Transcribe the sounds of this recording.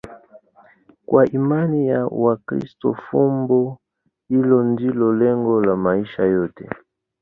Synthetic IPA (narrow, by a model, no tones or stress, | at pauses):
kwʔaʔimanijawakɾḭstɔ̰fumbɔ | hilɔndilɔlɛŋɡɔlamaiʃajɔtɛ